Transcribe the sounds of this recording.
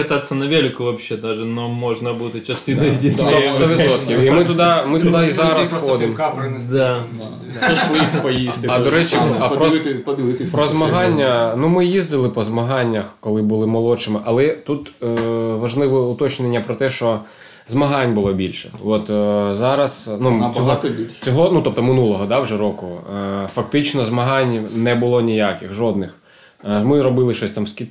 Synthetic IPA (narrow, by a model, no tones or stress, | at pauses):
kɐt̪at̪sʲɐnɐʋʲelʲɪkʊʋɐpɕɛd̪aʒɛnomɔʒnɐbut̪ɪt͡ʃɐst̪ɪnɐjdʲiɔst̪ɔʋʲɪsɔt̪kʲiwimɪt̪ʊd̪ɑmɪt̪ʊd̪ɑizɑɾɐsxɔd̪ɪmkapɾd̪a | pɐʃlˠɪpɐjiɐdd̪ɔɾɛt͡ʃiɐpɾɔd̪ɪt̪pɾɔzmɐɦɑnʲːɐnumɪjizd̪ɪlˠɪpɔzmɐɦɑnʲːɐxkɔlˠɪbʊlˠɪmɔlˠɔt͡ʃɪmɪʔɐlˠɛt̪ut̪ | ʋɐʒlˠɪʋɔʊt̪ɔt͡ʃnenʲːɐpɾɔt̪ɛʃt͡ʃɔ | zmɐɦɑnʲbʊlˠɔbʲilʲʃɛ̰ɔt̪zɑɾɐsnut͡sʲɔɦʲit͡sʲɔɦɔnut̪ɔp̚t̪ɔmɪnulˠɔɦɔd̪ɑwʒɛɾɔkʊfɐk̚t̪ɪt͡ʃnɔzmɐɦɑnʲnɛbʊlˠɔnʲijakʲɪxʒɔd̪̚nɪx | mɪɾɔbɪlˠɪʃɔsʲt̪ɑmskʲi